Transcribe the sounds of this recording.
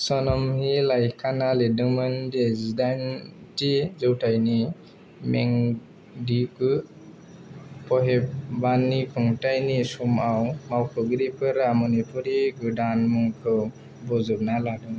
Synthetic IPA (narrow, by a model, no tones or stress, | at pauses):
sɔnɔmhilajkʰanaledɯmɯndezidantizɯwtajni | mɛŋ | dikɯ | pʰɔɦɛp̚banikʰɔŋtajnisumawmawkʰɔɡɯɾipʰɯɾamɔnipʰɔɾiɡɯdanmuŋkʰɯ | bɔzub̚naladɯŋ